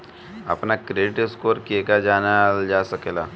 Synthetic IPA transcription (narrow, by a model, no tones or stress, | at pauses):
ɐ̰pnakɾeːɖɪʈɪskoːɾkieɡad͡ʒaːnad͡ʒaːsɐkeːlaː